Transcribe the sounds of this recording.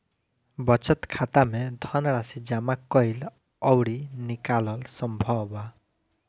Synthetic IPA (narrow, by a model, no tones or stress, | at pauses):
bɔt͡ʃʌt̪kʰat̪amed̪ʱɔnɽasid͡ʒamakːɔjl | ɔwɽinikalɔlsɔmbʱɔba